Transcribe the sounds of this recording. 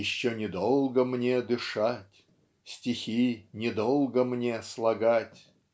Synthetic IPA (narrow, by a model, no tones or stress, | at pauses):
jɪɕːonʲɪd̪olˠɡəmnʲed̪ɨʂatʲ | sʲtʲɪxʲinʲɪd̪olˠɡəmnʲe̞slˠɐɡatʲ